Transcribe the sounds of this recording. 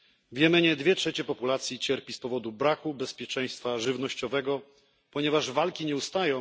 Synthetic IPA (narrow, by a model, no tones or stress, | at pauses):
vʲjɛmɘɲɛd̪vʲjɛtʂɛt͡ɕɛpɔpulat̪sʲjit͡ɕɛɾpʲispɔvɔd̪ubɾakubɛspʲjɛt͡ʂɛj̃st̪faʐɘvnɔɕt͡ɕɔvɛɡɔ | pɔɲɛvaʐvalkʲiɲɛust̪ajɔ̃